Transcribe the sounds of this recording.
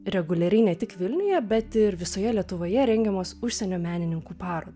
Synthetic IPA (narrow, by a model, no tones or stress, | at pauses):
ɾʲɛɡʊlʲɛɾʲɛɪnʲɛt̪ʲɪkʋʲɪlʲnʲɪjɛbʲɛt̪ɪɾʋʲɪsoːjɛlʲiɛt̪ʊʋoːjɛɾʲɛŋʲɡʲɛmoːsʊʃʲsʲɛnʲoːmʲæːnʲɪnʲɪŋkuːpɑːɾoːd̪ɐ